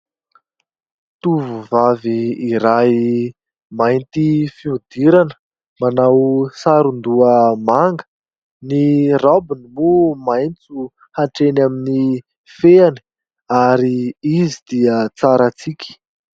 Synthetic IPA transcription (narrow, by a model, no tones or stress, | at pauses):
t̪uvuvaviːɾaj | majnt̪ifiud̪iɾanə̥ | manawsaɾund̪uəmaŋɡə̥ | nirabinimumajnt͡su | haʈ͡ʂenamini | feani̥ | aɾiizid̪̥iət͡saɾat͡sikʲi̥